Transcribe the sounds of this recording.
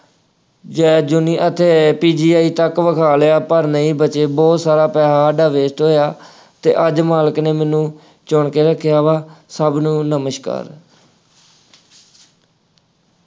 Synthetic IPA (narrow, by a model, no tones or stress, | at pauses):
d͡ʒɛːd͡ʒʊniːʔət̪ʰeːpiːd͡ʒiːaːiːt̪əkʋəkʰaːljaːpəɾnəĩːbət͡ʃeːbɔːt̪saːɾaːpɛːɦaːəɖaːʋeːsʈɦoːjaː | t̪ḛːʔəd͡ʒmaːləkneːmɛːnũː | t͡ʃoɳkeːɾəkʰːɪjaːʋaːsəbnũːnəməʃka̰ːɾ